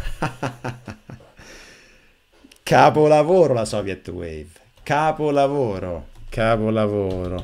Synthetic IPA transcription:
kʰaːpʊlavoːɾolasɔvjɛt̪ːwḛv | kaːpolavoːɾokʰaːpolavoːɾo

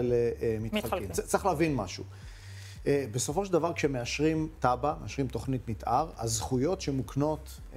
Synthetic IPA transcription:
leemitkimt͡sːʁiχlavinma̰ʃṵ | ebeso̞foʃeld̪avaʁkʃemeaʃʁimt̪abameaʃʁimt̪o̞χnit̪mitʔaʁa̰zχujo̞tʃemukno̞t

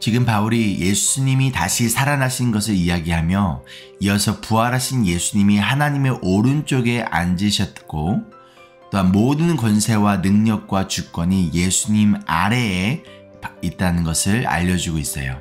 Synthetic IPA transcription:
t͡ɕiɡɯmpauɾijʔe̞s͈ʰuɲimitaɕʰisʰaɾanaɕʰinnɡʌs̬ʰɯɾijaɡiɦamjʌ | iʌsʰʌpuaɾɦaɕʰinje̞sʰuɲimiɦanaɲime̞ʔoɾɯnt͡ɕ͈oɡe̞a̰nd͡ʑiɕʰʌt̚k͈o | t͈oɦanmodɯnkwʌnsʰe̞wanɯŋɲʌk̚k͈wat͡ɕuk͈wʌɲije̞sʰuɲima̰ɾe̞ː | it̚t͈anɯnɡʌsʰɯɭa̰ʎːʌd͡ʑuɡois͈ʌ̰jo̰

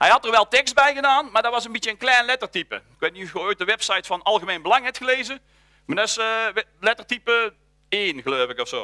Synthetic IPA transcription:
hɛjɦɑtəɹʋɛlˠtɛkst̚bɛjɣədaːnmaːɹdɑtʋɑsənbitjəːnklɛjnlɛtəɹtipə̰ɪkʋejt̚niufχəɔɥt̚dəʋɛpsɑjtfɑnɑlˠɣəmejnbəlɑŋɦɛp̚tχəlejzə | madɑslɛtəɹtipə | eːnɣəlowvɪkɔfsoː

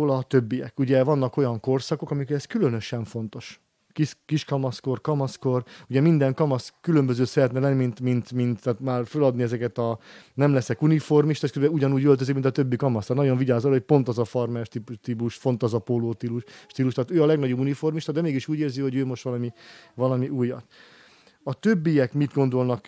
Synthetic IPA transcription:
lɒt̪ø̞bːijɛkuɟɛvɒnːɒko̞jɒŋko̞rsɒko̞kɒmikoɾɛskylønøʃɛɱfo̞nt̪o̞ʃ | kiskiʃkɒmɒsko̞rkɒmɒskoruɟɛmind̪ɛŋkɒmɒskylømbøzøːsɛɾɛt̪nɛlɛnimint̪mint̪mint̪ːaːt̪maːrfølɒd̪niɛzɛkɛt̪ɒnɛmlɛsɛkunifo̞rmiʃt̪ɔʃkøzbɛuɟɒnuːɟølt̪øzikmint̪ɒt̪ø̞bːikɒmɒst̪ːanɒɟo̞ɱviɟaːzolho̞c̚po̞nt̪ɒzɒfɒrmɛʃt̪ipt̪ipuʃfo̞nt̪ɒzɒpoloːt̪iluʃʃt̪iːluʃt̪aːt̪øːɒlɛɡnɒɟobunifo̞rmiʃt̪ɒd̪ɛmeːɡiʃuːɟeːrziho̞ɟøːmo̞ʃt̪ʋɒlɒmivɒlɒmiʔuːjːɒ̰t̪ | ɒt̪øbːijɛkmid̪ɡo̞nd̪o̞lnɒk

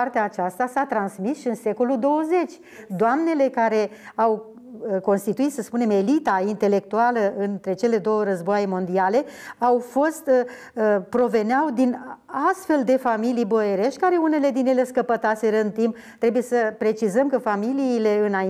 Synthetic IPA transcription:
art̪eaːt͡ʃast̪asat̪ɾansmisʃiɨnse̞ko̞lud̪o̞wəze̞t͡ʃʲ | d̪oamne̞le̞kaɾe̞ | aw | ko̞nst̪it̪uit̪səspune̞me̞lit̪aint̪e̞le̞k̚t̪ualəʔɨnt̪ɾe̞t͡ʃe̞le̞d̪o̞wəɾəzboajmo̞nd̪iale̞awfo̞st̪ | pɾo̞ve̞neawd̪inast̪fe̞ld̪e̞familijbo̞eɾe̞ʃt̪̚ʲkaɾe̞une̞le̞d̪injele̞skəpət̪ase̞ɾəɨnt̪imp | t̪ɾe̞buje̞səpɾe̞t͡ʃizəmkəfamiliːle̞ɨna

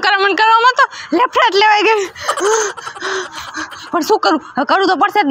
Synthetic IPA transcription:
kəɾamənkəɾʋamãt̪olepʰɾaʈleʋajɡəi | pəɳʃũkəɾũkəɾũt̪op̬əɽset̪

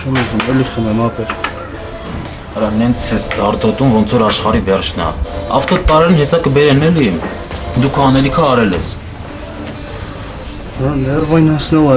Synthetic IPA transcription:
t͡ʃʰɛmɑzumɛliχənɛmɑpɛɾ | ɾɑnɛnt͡sʰɛst̪ɑɾt̪ɔt̪umvɔnt͡sʰɔɾɑʃχɑɾivɛɾt͡ʃʰnɑ̰ɑ̰ft̪ɔt̪ɑɾɛɾɛnɦɛsɑkəbɛɾɛnɛli | d̪ukʰɑnɛlikʰəɑɾɛlɛ̰s | hɑnɛrvɑjnɑsnɔlɛ

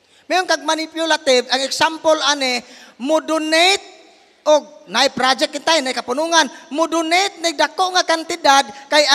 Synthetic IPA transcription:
mɛɔŋkaɡ̚manipjulat̪ivaŋɛksampɔlanemudunejt̪̚ | ɔɡ̚naipɾad͡ʒɛk̚ːint̪ajnaikapunuŋanmudunejt̪̚nek̚dakoʔŋakant̪idad̪̚kaja

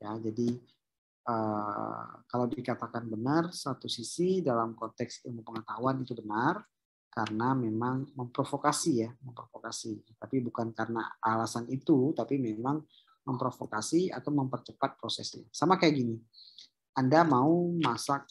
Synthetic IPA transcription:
jad͡ʒadi | ʔə | kalawdikat̪akanbənarsat̪usisidalamkɔnt̪ɛksampəŋət̪aɦuanit̪ubənar | kaɾənamemaŋməmpɾofokasijaməmpɾofokasit̪apibukankaɾəna̰ːlasanit̪ut̪apimemaŋ | məmpɾofokasia̰t̪awməmpərt͡ʃəpat̪̚pɾosɛ̰sɲa̰samakajaʔɡini | andamaumasak̚

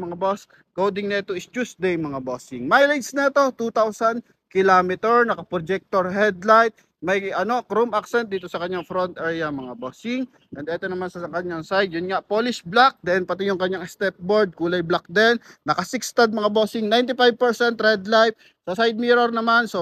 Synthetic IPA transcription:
mɐŋabos | kowd̪ɪŋnɛt̪oɪst͡ʃusd̪ejmɐŋabosɪŋmajlɐd͡ʒsnɛt̪o̞t̪ut̪awsɐn | kɪlaːmɪt̪ɛɹnɐkɐpɾod͡ʒɛk̚t̪oɹɦɛd̪lajt̪̚ | mɐjʔɐno̞kɾomʔaksɛnt̪̚d̪iːt̪o̞sɐkɐɲɲaŋfɾont̪ʔɛɹjɐmɐŋaboːsɪŋ | ʔɛnd̪ɛːt̪o̞nɐmansɐɐkɐɲːaŋsajd̪̚jʊnŋaʔpoːlɪsblak̚d̪ɛnpɐt̪ɪjʊŋkɐɲːaŋst̪ɛp̚boɹd̪̚kuːlɐjblak̚d̪ɛnːɐkɐsɪkst̪ɐd̪̚mɐŋabosɪŋnajnt̪ɪfajb̚pɛɹsɛnt̪hɛd̪lajp̚ | sɐsajd̪̚miɾoɾnɐmanso

